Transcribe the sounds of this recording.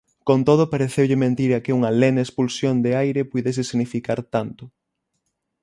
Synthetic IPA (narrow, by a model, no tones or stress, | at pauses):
kont̪oð̞ʊpaɾeθewʎɪmẽnt̪iɾɐkeuŋɐlɛnaespulsjond̪eajɾepujðes̬ɪsiɣnifikaɾt̪ant̪ʊ